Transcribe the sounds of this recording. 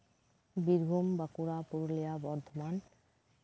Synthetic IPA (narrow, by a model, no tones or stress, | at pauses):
biɾbʱumbakuɾapuɾolijabɔɾd̪ʱoman